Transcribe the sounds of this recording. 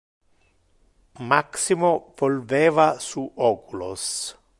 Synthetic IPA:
maksimovolveːvasuʔɔːkulo̰s

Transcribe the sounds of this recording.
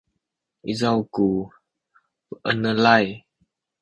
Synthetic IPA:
ʔizawku | pəʔənəlaj

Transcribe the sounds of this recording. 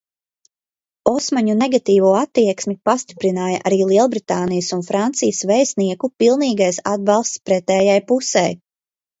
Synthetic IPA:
ɔsmaɲuneɡat̪iːvuɔat̪ːiɛksmipast̪i̥pɾinaːjaʔaɾiːlˠiɛlˠbɾit̪aːnijəsunfɾant̪sijəsvɛjsniɛkupilˠniːɡajsa̰d̪̚bɑlˠst̪spɾɛt̪ɛːjajpusɛ̰j

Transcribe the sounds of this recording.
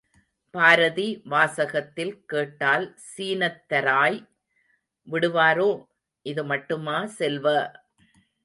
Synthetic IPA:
paːɾɐðiʋaːsɐɣɐt̪ːɪlkeːʈːaːlsiːnɐt̪ːɐɾaːj | ʋɪɽɯʋaːɾoː | ʔɪðɯmɐʈːɯmaːsɛlʋɐ

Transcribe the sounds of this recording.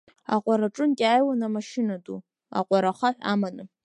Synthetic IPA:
a̰qʷʼaɾaʈ͡ʂʼɨnkʲʼajwanamaʃɪnadu | a̰qʷʼaɾaχaħʷa̰manɨ

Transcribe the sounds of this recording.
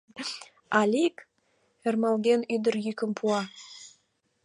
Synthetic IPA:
ɑlʲik | ermɑlɣenyd̪ə̆rjykə̆mpʰuɑ

